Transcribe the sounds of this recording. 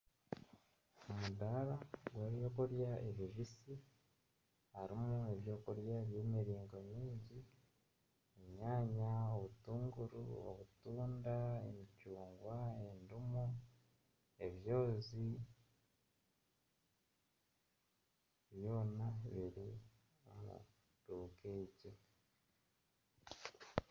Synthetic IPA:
omudaɾaɡweβjo̞ːkoɾjaeβiβisi | haɾimueβjo̞ːkoɾjaβjeːmiɾiːŋɡo̞ɲiːɲɟi | emɲaːɲaoβutuːŋɡuɾṵo̰βutuːndaḛmicuːŋɡwaendumo | e̞βjo̞ːzi | βjo̞ːnaβiɾi | aa̰ | tuːkeɟe

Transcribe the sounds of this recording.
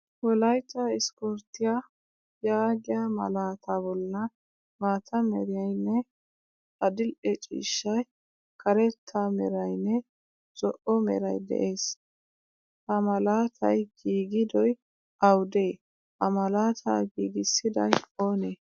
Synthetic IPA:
wɔlɐjt̪ːɐɪskɔɾt̪ːɪja | jaːɡɪjamɐ̰laːt̪ʰabɔlːɐ | maːt̪ʰɐmɛ̰ɾɪjɐjnːɛ | ɐd̪ɪlʔɛt͡ʃʼḭːʃːɐj | kɐɾɛt̪ʰːamɛ̰ɾɐjnːɛ | t͡sʼɔʔɔmɛ̰ɾɐ̰jd̪ɛ̰ʔe̞ːs | hɐmɐlaːt̪ʰɐ̰jɡ̥iːɡɪd̪ɔj | ʔɐwd̪eː | ɐmɐlaːt̪ʰa̰ːɡiːɡɪsːɪd̪ɐjo̞ːne

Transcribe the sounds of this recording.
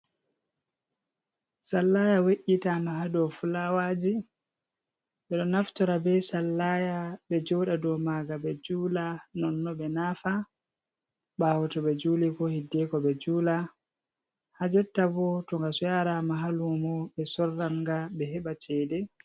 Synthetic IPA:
salːajaweʔitamaɦadɔfulawad͡ʒi | ɓɛɗɔnaftɔɾabɛsalːajaɓɛd͡ʒɔɗadɔmaɡabɛd͡ʒuːlanɔnːɔɓɛnaːfa | ɓaːwɔtɔɓɛd͡ʒuːlikɔhidːɛkɔɓɛd͡ʒuːla | had͡ʒɛtːabɔtɔŋɡasɔjaɾamaɦalumɔɓɛsɔrːaŋɡaɓɛɦɛɓat͡ʃɛːdɛ

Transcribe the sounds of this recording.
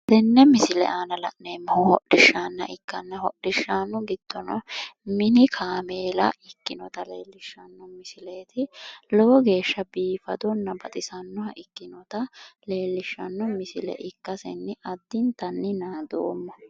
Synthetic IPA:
d̪ɛnːɛmɪsɪlɛ̰ʔaːnɐlɐ̰ʔneːmːhɔhɔɗɪʃːanːɐ̰ʔɪkːɐnːɐɦɔɗɪʃːaːnːɔɡɪd̪̥ːɔnɐ̰mɪnɪkʰaːmeːlɐ̰ɪkːɪnɔt̪ɐleːlːɪʃːɐnːɔmɪsɪle̞ːt̪ɪlɔwɔɡe̞ːʃːɐbiːfɐd̪ɔnːɐbɐt̪ʼɪsɐnːɔhɐʔɪkːɪnɔt̪ɐle̞ːlːɪʃːɐ̰nːɔmɪsɪlɛ̰ʔɪkːɐsɛ̰nːɪʔɐd̪ːɪnt̪ɐnːɪnaːd̪o̰ːmːɔ

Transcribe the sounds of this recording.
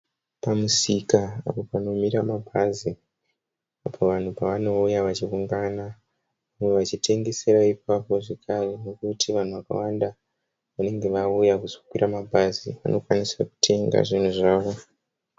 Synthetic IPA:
pamusikaa̰po̞pano̞miɾamabʱazi | apʰo̞ʋan̤upaʋano̞ujaʋat͡ʃiruŋɡana | meʋat͡ʃite̞ŋɡe̞se̞ɾaip̚apo̞ʐe̞kʰare̞no̞kutʰiʋan̤uʋaka̰wanda | ʋane̞ŋɡe̞ʋaujakuzo̞kwiɾamabʱazḭʋa̰nʔo̞kwanisaku̥tʰe̞ŋɡa̰ʐin̤uʐaːʋo̞

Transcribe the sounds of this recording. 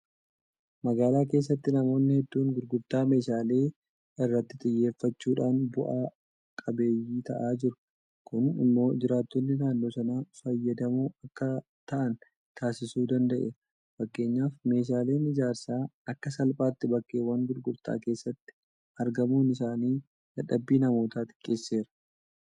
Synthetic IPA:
mɐɡaːlaːke̞ːsːɐt̪ːɪnɐmo̞ːnːɪhɛd̪ːuːŋɡʊɾɡʊɾt̪aːme̞ːʃaːle̞ː | ɪrːɐt̪ːɪt̪ʼɪjːe̞ːfːɐt͡ʃːuːᶑaːnbʊʔaː | kʼɐbe̞ːjːiːt̪ɐ̰ʔaːd͡ʒɪɾʊ̥ | kʊnɪ̰mːo̞ːd͡ʒɪɾaːt̪ːonːɪnaːnːo̞ːsɐnaːfɐjːɐd̪ɐmuːɐkːɐ | t̪ɐʔɐn | t̪ʰaːsɪsuːd̪ɐnd̪ɐʔḛː | fɐkːe̞ːɲːaːfme̞ːʃ̬aːle̞ːnɪd͡ʒaːɾsaːɐkːɐsɐlpʼaːt̪ːɪbɐkːe̞ːwɐŋɡʊɾɡʊɾt̪ʼa̰ːke̞ːsːɐt̪ːɪ̥ | ɐɾɡɐmuːnɪsaːniː | dɐᶑɐbːiːnɐmo̞ːt̪aːt̪ʼɪ̥kʼːe̞ːsːe̞ːɾɐ̥

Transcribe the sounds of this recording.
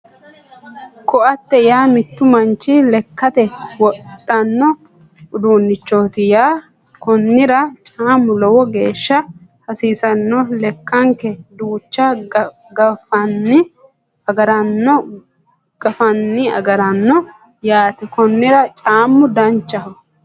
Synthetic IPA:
kɔʔɐt̪ːɛjaːmɪt̪ːʊmɐnt͡ʃːɪlɛkːɐt̪ɛwɔᶑːɐnːɔ | ʊd̪uːnːɪt͡ʃːoːt̪ɪjaː | kɔnːɪɾɐt͡ʃʼaːmːʊlɔwɔɡe̞ːʃːɐhɐsiːsɐnːɔlɛkːɐŋkɛd̪uːt͡ʃːɐ | ɡɐfɐnːɪ | ɐɡɐɾɐnːɔ | ɡ̥ɐfɐnːɪɐ̰ɡɐɾɐnːɔ | jaːt̪ɪkɔnːɪɾɐt͡ʃʼaːmːʊd̪ɐnt͡ʃːɐhɔ

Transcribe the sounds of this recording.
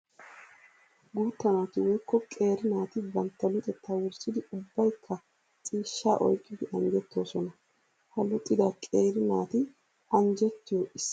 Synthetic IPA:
ɡuːt̪ːɐnaːt̪ɪwɔjkːɔkʼe̞ːɾɪnaːt̪ɪbɐnt̪ːɐlʊt̪ʼɛt̪ːaːwʊɾsʼɪd̪ɪʊbːɐjkʰːɐ | t͡sʼiːʃːaːʔɔ̰jkʼːɪd̪ɪʔɐnd͡ʒɛt̪ːo̞ːsɔnɐ | hɐlʊt̪ʼːɪd̪ɐkʼeːɾɪnaːt̪ɪ | ɐnd͡ʒɛt̪ːɪjɔʔɪsː

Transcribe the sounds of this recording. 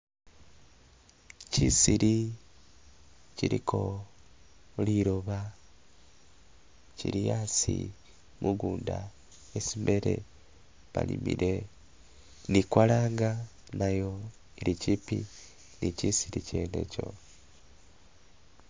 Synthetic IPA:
cisiɾi | ciɾikʰo̞ | liɾoβa | ciɾijasi | mʔuɡuːnda | esimbeɾe̞ | βa̰lḭmḭɾʔe | nikwalaːŋɡa | najo | iɾicipi | nicisiɾice̞ːne̞̰co̞̰

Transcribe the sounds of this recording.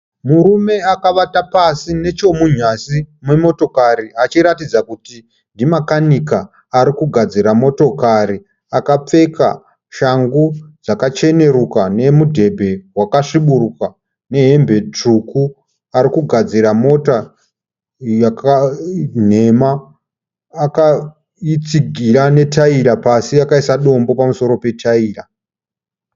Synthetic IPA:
muɾume̞akaʋatapasine̞t͡ʃo̞muɲasimemo̞to̞kaɾiat͡ʃiɾatid͡zakuti | ndimakanikaː | ɾikuɡʱad͡ziɾamo̞to̞kaɾi | akap͡fe̞ka̰ | ʃaŋɡud͡zakat͡ʃe̞ne̞ɾukane̞mudʱe̞bʱe̞wakaʂiɓuruka | ne̞ɦe̞mbe̞t͡ʂuku | aɾikuɡʱad͡ziɾamo̞ta | jakan̤e̞maː | ka | it͡siɡʱiɾane̞tʰaiɾapasiakaisaɗo̞mbo̞pamuso̞ɾo̞pe̞tʰaiːɾa

